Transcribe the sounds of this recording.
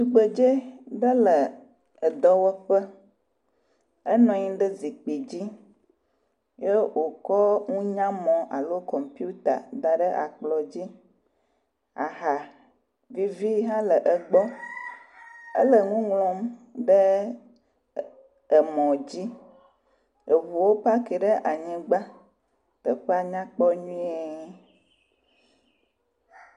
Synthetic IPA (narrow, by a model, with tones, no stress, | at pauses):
t̪u˨ɡ͡bə˨d͡ʒe˦ɖə˦lə˨ | ə˨d̪ɔ˦wɔ˦ɸə˦ | ə˦nɔ̃˨ɲĩ˦ɖə˦zi˨k͡pi˨d͡ʑi˦ | je˦wʔo˨kɔ˦ŋũ˦ɲã˦mɔ̃˨ʔa˨lo˦kɔ˨mpi˦u˦t̪a̰˨d̪a˨ɖə˦ʔa̰˨k͡plɔ˨d͡ʑi˦ | a̰˨ɦa˨ | vi˦vi˦ɦã˦lə˨ʔə˨ɡ͡bɔ˦ | ə̰˦lə˨ŋũ˦ŋlɔ̃˨mɖə˦ | ə˨mɔ̃˨d͡ʑi˦ | ə˨βu˨wo˦pa˦kɛ˨ɖə˦ʔa˨ɲɛ̃˨ɡ͡ba˦ | t̪ə˨ɸe˦a˨ɲã˦k͡pɔ˦ɲũ˦i˦ɛ˨